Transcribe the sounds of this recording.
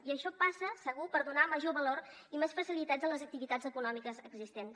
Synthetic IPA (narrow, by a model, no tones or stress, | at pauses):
iəʃɔpasəsəɣupəɾðunaməʒoβəloɾimesfəsilit̪ad͡zələzək̚t̪iβit̪ad͡zəkunɔmikəzəɡzist̪ens